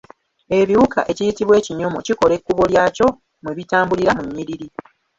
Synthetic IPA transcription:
e̞βiwukʰa̰ʔe̞cijitiβwe̞ːciɲo̞mo̞̰ciko̞le̞kːuβo̞ljaco̞ | mweβitaːmbuliɾamuɲːiɾiɾi

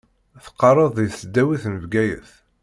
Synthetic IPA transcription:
θə̥qːɑɾˤəðˤijθəd̪ːæwiθnəvɡæjə̰θ

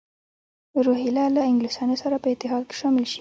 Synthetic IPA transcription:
ɾoɦilalaɪŋɡlɪsɑnosaɾapəɪt̪ːɪɦɑd̪̚ke̥ʃɑmɪlʃi̥

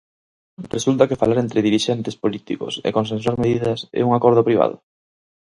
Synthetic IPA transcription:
result̪ɐkefalaɾent̪ɾeðiɾiʃɛnt̪espolit̪iko̰sḛkons̬ẽnswaɾmeðiðɐsḛuŋakɔɾð̞ʊpɾiβ̞a̰ð̞ʊ̰

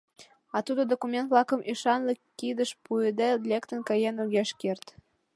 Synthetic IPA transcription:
ɑt̪ud̪od̪okumʲent̪̚βlɑkəmʔiʃɑnlekːid̪əʃpuəd̪elʲekt̪ənkɑjenuɣʲeʃkert̪

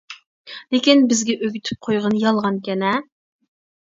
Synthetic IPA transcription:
lekʲinbɪzɡʲɛʔøɡʲyt̪ʰy̥p̚qʰojʁənjɑlˠʁɑnkʲɛnɛ

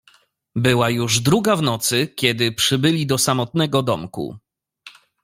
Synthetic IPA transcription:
bɘwajuʐd̪ɾuɡavnɔt̪sɘkʲɛd̪ɘpʂɘbɘlʲid̪ɔsamɔt̪nɛɡɔd̪ɔmkṵ

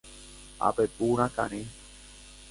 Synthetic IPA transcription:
a̰pepuɾ̃ãka̰ɾ̃ẽ

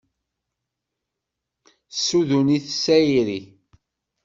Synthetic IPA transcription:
sːuðuniθəsːæjiɾi

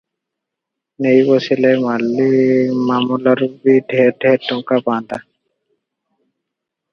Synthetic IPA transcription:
nejbɔsilemalːimamulaɾubiɖʱɛɖʱɛʈɔŋkapand̪a

